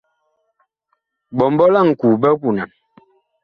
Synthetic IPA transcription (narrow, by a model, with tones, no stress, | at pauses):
bɔ˨mbɔ˦la˦˨ŋ̩˨ku˨bɛ˦ku˨na˨n